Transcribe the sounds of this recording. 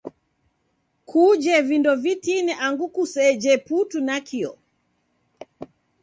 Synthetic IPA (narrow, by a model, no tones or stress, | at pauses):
kʰud͡ʒɛvindɔvitinɛʔaŋɡukusɛd͡ʒɛputunakʰiɔ̰